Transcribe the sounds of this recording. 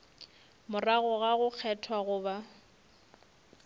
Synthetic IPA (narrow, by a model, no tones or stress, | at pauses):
mʊraɣʊɣaɣʊk͡xʰɛtʰwaɣʊːba